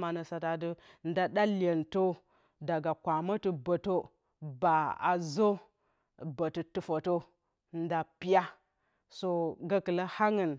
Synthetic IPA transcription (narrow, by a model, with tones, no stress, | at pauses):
ma˨nə˨sa˨ta˨də˦ | n˦da˦ɗa˦le˨nto˦ | da˨ɡa˨kʷa˨mə˦tɨ˦bə˨to˦ | ba˨a̰˨zo˦ | bə˨tɨ˨tu˦fo˨to˦ | n˦da˨pi˦ja˦ | so˦ɡa˦kə˨lə˦ha˦ŋə˨n